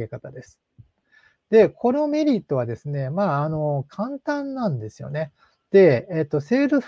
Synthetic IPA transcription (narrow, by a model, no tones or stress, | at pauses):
ekat̪ad̪e̞sɨ̥ | d̪̥e̞kʰo̞no̞me̞ɾʲit̪ːo̞βad̪e̞sɨne̞maːno̞kʰãnt̪ãnːãnd̪e̞sɨjo̞̰ne̞ | d̪̥e̞ːt̪ːo̞se̞ːɾɯ̟